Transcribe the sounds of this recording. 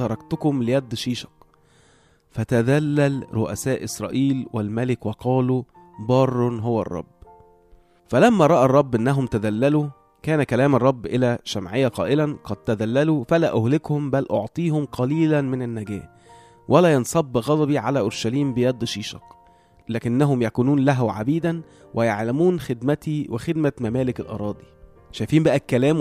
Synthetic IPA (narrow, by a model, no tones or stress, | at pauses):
ɑɾˤɑk̚t̪ʊkʊmlɪjæd̪ːʃiːʃɑ̥q | fæt̪æd̪ælːælɾoʔæ̰sæːʔɪsɾˤɑ̰ːʔiːlwælmælɪkwɑqɑːlu | bɑːrˤːnɦowæ̰rˤːɑ̰bː | fælæmːæɾˤɑʔærˤːɑbːʔɪnːæɦʊmt̪æd̪ælːælu | kæːnækælæːmɑrˤːɑbːʔɪlæʃæmʕɪjːæqɑːʔɪlænqɑd̪̚t̪æd̪ælːælufælæːʔʊhlɪkhʊmbælʔoʕt̪ˤiːhʊmqɑliːlænmɪnænːæɡæ̰ːh | wʔælæːjɑnsˤɑbːɣɑd̪ˤɑbiʕalæʔoɾʃæliːmbɪjæd̪ːʃiːʃɑ̰q | læːkɪnːæɦʊmjækuːnuːnlæɦuʕa̰biːd̪æn | wʔɪjaʕlæmuːnxed̪mæt̪iwexed̪̚mæmæmæːlɪkælʔɑ̰ɾˤɑːd̪ˤi | ʃæjfiːmbæʔækːælæːm